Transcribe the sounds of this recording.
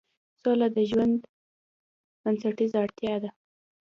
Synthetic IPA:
solad̪əʒwand̪ | b̥ansaʈizaɽt̪jɑd̪a

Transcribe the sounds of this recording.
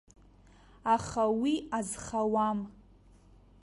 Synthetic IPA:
aχawiazχawam

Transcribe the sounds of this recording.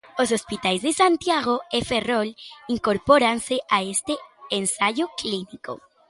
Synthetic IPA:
os̬ospit̪ajzd̪e̞sant̪jaɣo̞efero̞liŋko̞ɾpo̞ɾanseʔaest̪eensaʝokliniko̞̰

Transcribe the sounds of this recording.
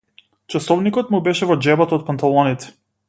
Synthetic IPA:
t͡ʃasɔvnikɔt̪mubɛʃɛvɔd͡ʒɛbat̪ɔt̪̚pant̪alˠɔnit̪ɛ̥

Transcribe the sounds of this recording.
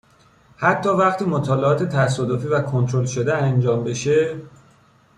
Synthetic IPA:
hæt̪ʰːɒːvæɣt̪ʰiːmot̪ʰɒːleɒːt̪ʰet̪ʰæs̬ɒːd̪ofiːvækʰo̞nt̪ʰɾo̞lʃod̪eænd͡ʒɒːmbe̞ʃe̞

